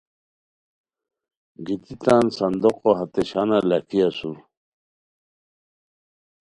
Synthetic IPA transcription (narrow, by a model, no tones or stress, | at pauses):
ɡit̪it̪ansɐnd̪oqoɦɐt̪eɕanalɐkiɐsu